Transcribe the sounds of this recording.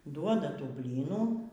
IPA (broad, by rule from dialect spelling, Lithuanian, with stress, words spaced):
ˈduɔdɐ ˈtuː ˈbʲlʲiːnuː